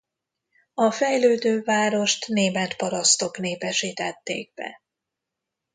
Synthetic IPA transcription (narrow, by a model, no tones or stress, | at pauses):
ɒfɛjløːd̪øːvaːɾo̞ʃt̪neːmɛt̪pɒɾɒst̪o̞kneːpɛʃit̪ɛt̪ːḛːɡ̚bɛ̰